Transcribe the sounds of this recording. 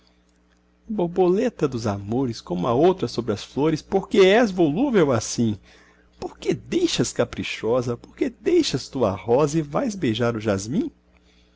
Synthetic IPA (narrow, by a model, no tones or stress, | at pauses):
boɾbolet̪ɐd̪ʊza̰moɾɪskõmʊɐowt̪ɾɐsobɾɪɐsfloɾɪspoɾkeɛzvoluvewasĩ | poɾked̪ejʃɐskapɾiʃɔzɐpoɾked̪ejʃɐst̪uɐ̰hɔzɐɪvajzbejʒaɾʊʒazmĩ